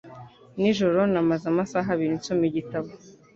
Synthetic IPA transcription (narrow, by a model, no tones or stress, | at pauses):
niʒo̞ɾo̞namazamasaɦaβiɾinsomiɟitaβo